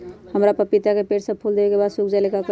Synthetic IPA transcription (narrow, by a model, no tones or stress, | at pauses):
həmɾapəɾpit̪akepeʈsəb̚pʰuld̪ebekebad̪sukd͡ʒalekak